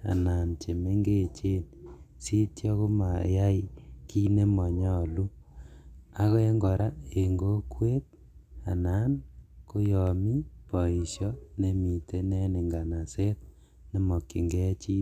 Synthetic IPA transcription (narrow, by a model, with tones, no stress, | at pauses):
a̰˨na˨nt͡ʃe˨me˦ŋɡe˦t͡ʃe˦n | si˦tjɔ˦ko˦ma˨ja˦i˦ki˦ne˦mɔ˨ɲɔ˦˨lu˦ | a˦kɔ˦e˦ŋɡɔ˨ɾa˦e˨ŋɡo˦kwe˦t̚ | a̰˨na˨˦nko˦jɔ˨mi˦pɔ˨i˨sjɔ˦ne˨˦mi˨te˦nɛ˦ne˨ŋɡa˨na˨se˦t̚ | ne˨mɔ˨ki˨ŋɡɛ˦t͡ʃi˦